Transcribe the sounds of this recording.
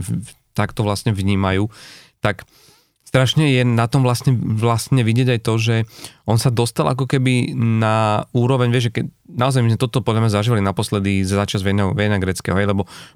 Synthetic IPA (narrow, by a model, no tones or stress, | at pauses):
t̪akt̪ɔʋlastɲɛʋɲiːmajuːt̪ak | st̪ɾaʃɲɛjɛnat̪ɔmʋlasɲɛʋlast̪ɲɛʋiɟɪɛɟajt̪ɔʒɛʔɔnsad̪ɔst̪alʔak̬ɔkɛbinauːɾɔʋɛɲʋɪɛʒɛkɛ | naɔzajmizmɛt̪ɔt̪ɔpɔd̪lʎamɲazaʒiːʋalinapɔslɛd̪izaːt͡ʃazʋɛnɛɦɔʋɛjnaɡɾɛt͡skɛ̰ːɦɔɦɛjlɛbɔ